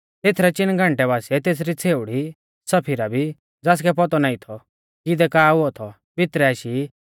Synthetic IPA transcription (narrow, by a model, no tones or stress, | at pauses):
t̪eːt̪ʰɾɛt͡ʃɪnɡʱãɳʈɛβaːsiɛt̪eːs̬ɾit͡sʰeːʊɽi | sɐpʰɪɾabʱi | d͡zaːs̬kɛpɔt̪ɔnaːit̪ʰɔ | kɪd̪ɛkaːʊɔt̪ʰɔ | pɪt̪ɾɛaːʃi